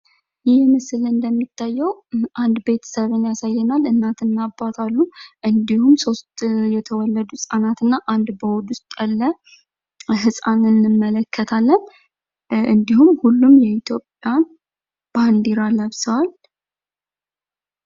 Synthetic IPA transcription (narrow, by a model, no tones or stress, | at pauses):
jɪhmɨsɨlɨnd̪əmːit̪ʰːajːɛwʔand̪be̞t̪ʰə̥səβɨnjasajːənalɨnːat̪ʰɨnːabːat̪ʰalːuʔɨnd̪ihumso̞st̪jɛt̪ʰəwɔlːəd̪usʼanat̪ɨnːaʔand̪bəwɔd̪ʊst̪ʼalːə | ɦɨsʼanɨnːɨmːələkʰːət̪ʰalːən | ʔɨnd̪ihumhulːumjɛit̪ʰjo̞pʼjan | b̥and̪iɾaləβsəwal